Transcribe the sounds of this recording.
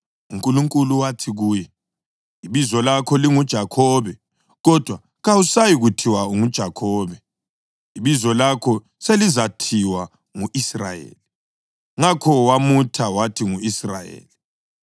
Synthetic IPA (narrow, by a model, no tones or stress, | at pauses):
uŋkʼuluŋkʼuluwatʰiɣuːjɛ | iβizɔlakʰɔliŋud̥ʒ̥ʱakʰɔβɛ | ɣɔd̥ʱwa | ɣawusajiɣutʰiwaŋud̥ʒ̥ʱakʰɔːβɛ | iβizɔlakʰɔ | selizatʰiwa | ŋuʔisra̰jḛːli | ŋakʰɔwamutʰawatʰiŋuisra̰jḛːli